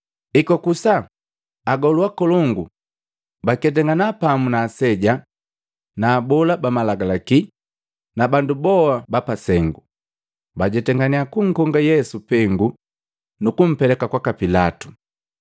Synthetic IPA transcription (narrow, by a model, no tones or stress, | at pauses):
ikɔkusa | aɡɔluwakɔlɔŋɡu | bakɛt̬ɛŋɡanapamunaːsɛɟa | naːbɔlabamalaɡalaki | nabandubɔabapasɛŋɡu | baɟɛtɛŋɡaniakuŋ̩kɔŋɡajɛsupɛŋɡu | nukum̩pɛlɛkakwakapilatu̥